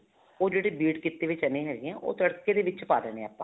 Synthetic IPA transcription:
oːd͡ʒeːɽeːbiːʈkɪt̪ːeːʋɪt͡ʃənẽːɦɛːɡɪãːʔo̰ːt̪əɽkeːd̪eːʋɪt͡ʃpaːd̪əɛːɽ̃ẽːaːpːãː

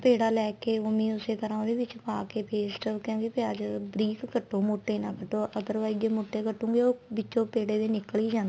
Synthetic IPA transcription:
peːɽaːlɛːkeːomĩːʊseːt̪əɾãːd̪eːʋɪt͡ʃpaːkeːpeːsʈəʋkjõːkipɪaːd͡ʒbɾiːkːəʈːõːmoːʈːeːnãːkəʈːõːʔət̪əɾʋaːiɡeːmoːʈːeːkəʈːũːŋɡeːoːbɪt͡ʃːõːpeːɽeːd̪eːnɪkːliːd͡ʒãːnd̪

